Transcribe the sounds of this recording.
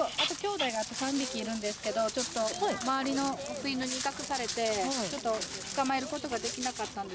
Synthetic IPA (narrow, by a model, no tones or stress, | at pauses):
oaat̪o̞kʲo̞ːd̪aiɡaːt̪ːasãmbʲikʲiːɾɯ̟̃nd̪e̞sɨ̥ke̞d̪o̞t͡ɕo̞t̪ːo̞maβːɾʲino̞okɯ̟ĩnd̪oɲ̟iːkakɯ̟saɾe̞t̪e̞t͡ɕo̞t̪ːo̞t͡sɨ̥kamae̞ɾɯ̟ko̞t̪o̞ɡad̪e̞kʲinakat̪ːãnd̪e̞̥